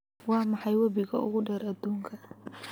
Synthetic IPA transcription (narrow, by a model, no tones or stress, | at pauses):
wɑːmɑħɑjwɐbɪɣɐ̰ʔʊ̰ɣʊɖɛːɾʔɐd̪uːŋkʰɐ